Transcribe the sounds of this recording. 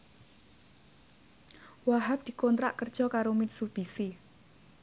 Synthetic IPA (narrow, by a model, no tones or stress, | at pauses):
waɦap̚d̪̥i̤kont̪ɾaʔkərd̥ʒ̥ɔ̤kaɾomɪt̪sub̥isi